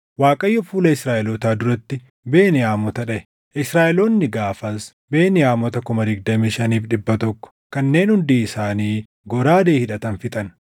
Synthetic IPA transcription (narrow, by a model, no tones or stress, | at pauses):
waːkʼɐjːɔfuːlɐɪsɾaːʔɪlɔt̪aːd̪ʊɾɐt̪ːɪ | beːnɪaːmɔt̪ɐᶑɐʔɛ̥ | ʔɪsɾaːʔɪloːnːɪɡaːfɐs | be̞ːnɪjaːmɔt̪ɐkʊmɐd̪ɪɡd̪ɐmiːʃɐniːfᶑɪbːɐt̪ɔkːɔ̥kɐnːe̞ːnhʊnd̪iːɪsaːniː | ɡɔɾaːd̪eːhɪᶑɐt̪ɐnfɪt̪ʼɐn